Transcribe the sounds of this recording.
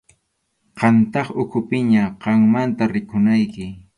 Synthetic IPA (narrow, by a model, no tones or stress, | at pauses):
qɑnt̪ɑχʊkʰʊpɪɲaqɑŋmant̪aɾɪkʊnajkɪ